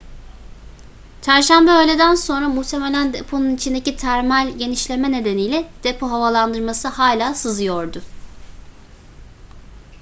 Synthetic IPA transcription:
t͡ʃʰæɾʃæmbɛøjlʲe̞d̪ænso̞nɾamuht̪ʰe̞me̞lʲænd̪epʰo̞nunit͡ʃʰind̪e̞cit̪ʰæɾmælʲɟe̞niʃlʲe̞mɛne̞d̪enijlʲɛd̪̥epʰo̞ɦavalˠand̪ɯɾmasɯhaːlʲaːsɯzɯjoɾd̪ʊ

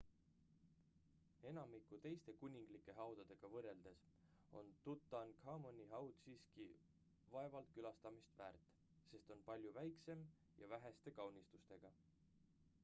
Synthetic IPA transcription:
e̞nɑmikːˑut̪e̞jst̪e̞kunʲiŋɡ̥likːˑe̞ɦɑwd̪̥ɑd̪e̞ɡ̥ɑvɤrːe̞ld̪̥e̞s | o̞̰nt̪ut̪ːˑɑnkhɑmonʲːiɦɑwt̪siːski | vɑe̞vɑlt̪̚kylɑst̪ɑmist̪væːrt̪ːˑ | se̞st̪o̞npɑlʲjuvæjkse̞m | jɑ̰væɦe̞st̪e̞kɑwnist̪ust̪e̞ɡ̥ɑ

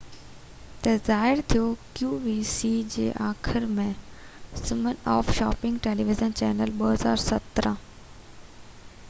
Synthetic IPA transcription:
t̪ɐzaːɦɪɾt̪ʰijokjuːʋiːsid͡ʑḛːʔaːxɪɾmẽ | sɪmənɔ̰ːfʃaːpɪ̃ŋɡʈeːliːʋɪzənt͡ɕɛ̰ːnəlɓəɦɐza̰ːɾsɐt̪ɾə̃

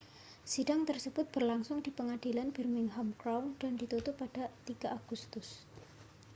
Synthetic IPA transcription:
sidaŋt̪ərsəb̥ʊt̪̚b̥ərlaŋsʊŋd̥ipəŋad̥ilanb̥ɛrmɪŋɦɔmkɾawnd̥andit̪ut̪ʊpːad̥at̪iɡ̥a̤aɡ̥ust̪ʊs

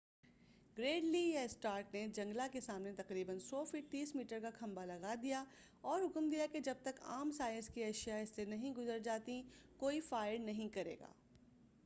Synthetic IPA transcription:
ɡɾeːɖlijaɪsʈaːɾʈned͡ʒɐ̃ŋɡlakesaːmnet̪ɐqɾiːbənsɔːfiʈ̪iːsmiːʈəɾkakʰɐ̃mbalɐɡad̪ija | ɔːɾɦʊkmd̪ijaked͡ʒɐb̚t̪ɐka̰ːmsaːjə̃nskiɛʃijaɪsːenɐɦĩɡʊzəɾd͡ʒaːt̪ikoːifaːɪɽnɐɦĩkɐɾḛːɡa̰ː

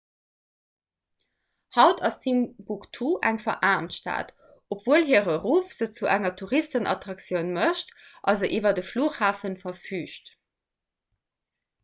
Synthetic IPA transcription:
hɑʊtʰɑstʰimbuktʰuʔæŋfɐʔaːmtʃta̰ːt | opv̥uəlɦiːʁəʁuːfz̥ət͡suʔæŋɐtʰuʁistənɑ̰tʁɑksjəʊnməʃtʔɑlzəʔiːvɐdəfluːχhaːfənfɐfyːʃt

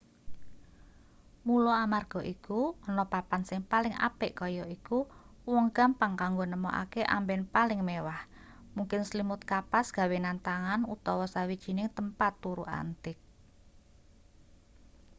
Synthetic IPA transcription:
mulɔamarɡ̥ɔ̤ʔikuŋənɔpapansɪŋpalɪŋa̰pɪʔkɔjɔʔiku | wɔŋɡ̥a̤mpaŋkaŋɡonəmɔʔa̰keʔa̰mbɛnpalɪŋmewah | muŋkɪnslimʊt̪̚kapasɡ̥ä̤wenant̪aŋanut̪ɔwɔsawid̥ʒ̥i̤nɪŋt̪əmpat̪ːuɾuʔa̰nt̪ɪk̚

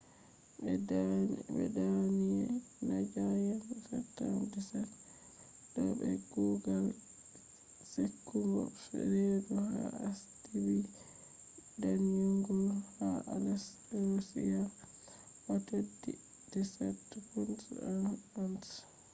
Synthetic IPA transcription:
ɛdabɛ̰danijɛnad͡ʒajanka̰tːamdisat | dɔbɛ̰ɡuɡal | sekːuŋɡɔ̰fɛ̰ɾeduha̰astiɾi | danjuŋɡulhaʔalas | ɾosijal | watadi | d̥isatːpunsanans

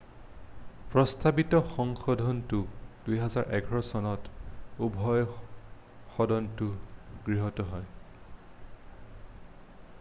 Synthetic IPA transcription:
pɹɔstabitɔxɔŋxɔdʱɔntʊd̥ujɦɛzaɹʔɛɡʱɔɹɔsɔnɔtubʱɔj | xɔdɔntʊɡɹiɦɔtɔɦɔj

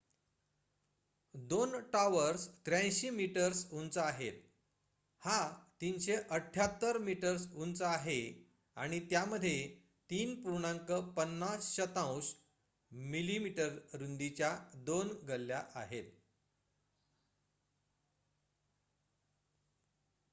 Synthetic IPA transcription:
d̪onʈaʋəɾst̪ɾjãj̃ɕimiʈəɾsunt͡səaɦet̪ | hat̪inɕeʔəʈʰjat̪ːəɾmiʈəɾsunt͡səaɦe | aɽ̃it̪jaməd̪ʱje | t̪iːnpuɾɳaŋkəpənːasɕət̪ãws | milimiʈəɾɾund̪it͡ɕjad̪onɡəlja̰ʔa̰ɦet̪̚

